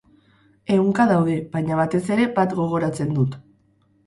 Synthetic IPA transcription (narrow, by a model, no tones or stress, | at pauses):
e̞uŋkaðawðe̞βajɲaβat̪e̞se̞ɾe̞bat̪ɡo̞ɣ̞o̞ɾat͡se̞nd̪ut̪